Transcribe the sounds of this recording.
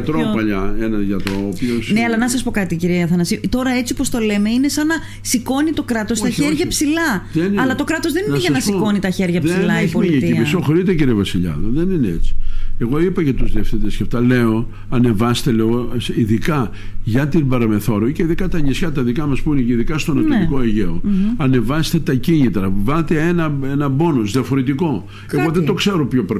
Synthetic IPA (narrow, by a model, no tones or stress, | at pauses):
ɐt̪ɾopɐʎɐenɐʝɐt̪ɾopiosnneɐlɐnɐsɐspo̞kɐt̪iciɾieɐθɐnɐsit̪o̞ɾɐe̞t͡siopost̪o̞le̞me̞ine̞sɐnɐ | siko̞nit̪o̞kɾɐt̪o̞st̪ɐçeɾʝɐpsilɐðenɐlɐt̪o̞kɾɐt̪o̞zðe̞ninneʝɐnɐsikko̞nit̪ɐçe̞ɾʝɐpðsseilɐomiɲeiiɐmisoxoɾit̪eciɾievɐsiʎɐ̰ðoðenineet͡si̥e̞ɣo̞ipɐʝɐt̪uzðiɐfθet̪esçɐft̪ɐle̞o̞ | ɐne̞vɐse̥t̪eleɣosiðikɐ | ʝɐt̪ibɐɾɐme̞θo̞ɾoceiðikɐt̪ɐɲisçɐt̪ɐðikɐmɐspuineceiðikɐst̪o̞nɐoliko̞eʝeoɐne̞vɐst̪e̞t̪ɐciɲit̪ɾɐvɐlt̪eenɐenɐbo̞nozðiɐfoɾe̞t̪iko̞ | e̞ɣoðed̪o̞kseɾopçopɾe